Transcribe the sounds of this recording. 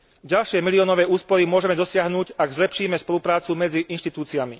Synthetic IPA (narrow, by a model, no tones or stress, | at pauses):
ɟalʃɪɛmiliɔːnɔʋɛːuːspɔɾimʊɔʒɛmɛd̪ɔsɪaɦnuːɟaɡzlɛpʃiːmɛspɔlupɾaːt͡sumɛd͡ziʔinʃt̪it̪uːt͡siami